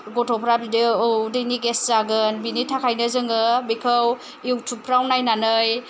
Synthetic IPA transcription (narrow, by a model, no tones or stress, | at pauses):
ɡɔtʰɔpʰɾabideudeniɡeszaɡɯnbinitʰakʰajnɯzɯŋɯbikʰəw | iwtʰupʰɾawnajnanɯj